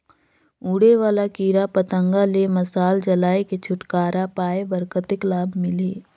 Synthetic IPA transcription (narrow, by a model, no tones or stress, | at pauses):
uːɽeʋaːlakiːɾapət̪ə̃ŋɡalemɐsaːld͡ʒɐlaːeket͡ʃʰʊʈkaːɾapaːebəɾkət̪ɪklaːbmɪleː